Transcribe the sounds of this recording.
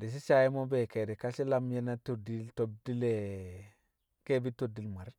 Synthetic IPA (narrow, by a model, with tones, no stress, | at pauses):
di˨s̬i˦sa˦ji˦mo˦be˨ke˨de˨ka˦si˦la˦m˦je˦na˦to˨di˦lto˨b̚di˦le˨ | ke˦bi˦to˨di˨lma˨ɾ